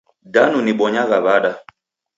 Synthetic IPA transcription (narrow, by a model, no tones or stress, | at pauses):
danuniɓɔɲaɣaβaɗa